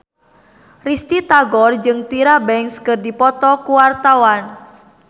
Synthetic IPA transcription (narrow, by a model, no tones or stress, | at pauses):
rist̪it̪aɡɔrd͡ʒɨŋt̪iɾabɛŋkskɨrdipɔt̪ɔkuwart̪awan